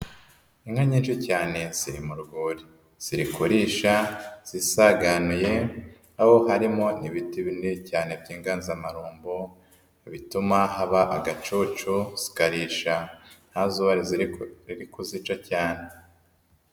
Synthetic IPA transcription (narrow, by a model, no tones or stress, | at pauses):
iŋhaɲiːnʃicaːne̞z̥iɾimuɾuɡuːɾi | z̥iɾikuɾiːʃaz̥isaɡanuje̞ | aho̞ɦaɾimo̞niβitiβinicaːne̞bɟiːŋɡaːnzamaɾuːmbo | βitumaɦaβaʔaɡat͡ʃuːt͡ʃuz̥i̥kaɾiːʃan̥hazuβaɾizɾiɾikuzit͡ʃacaːne̞